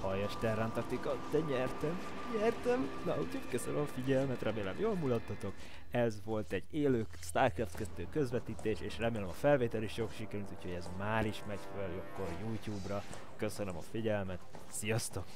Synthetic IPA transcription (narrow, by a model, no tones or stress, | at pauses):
hɒjɒʃt̪ɛrːant̪ɒrt̪ikɒt̪d̪ɛɲɛrt̪ɛm | ɲɛrt̪ɛmnɒucʰhoɟkøsønømɒfiɟɛlmɛt̪rɛmeːlɛ̰mjoːlmulɒt̪ːɒt̪o̞k | ɛzʋo̞lt̪ɛɟːeːløːkst̪aːrkɛft̪kɛt̪ːøːkøzʋɛt̪iːt̪eːʃeːʃrɛmeːlɛmɒfɛlveːt̪ɛliʃokʃikɛɾylt̪uːcʰho̞ɟɛzmaːɾiʃmɛɟføljokːorjuːcuːbrɒ | kø̞sønømɒ̰fiɟɛlmɛt̪ | sijɒst̪o̞k